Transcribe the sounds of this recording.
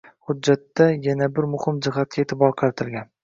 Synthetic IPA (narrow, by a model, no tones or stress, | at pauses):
hʊdːat̪ːajanabɪɾmʊhɪmd͡ʒɪɦat̪̚kʲaet̪ʰɪbɒɾqʰɑɾt̪ʰɪlˠɡʲan